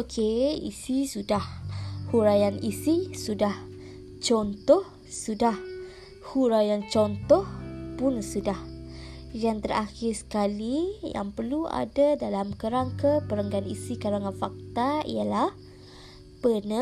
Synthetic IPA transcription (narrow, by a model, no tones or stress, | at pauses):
okʰeḭsisudahhuɾajanisisudah | t͡ʃɔnt̪ɔh | sudah | huɾajant͡ʃɔnt̪ɔhpʊnsudah | jaŋt̪əraxɪrsə̥kalija̰ŋpərlua̰dadalamkəɾaŋkəpəɾəŋɡanḭsikaɾaŋanfak̚t̪aḭjalah | pənə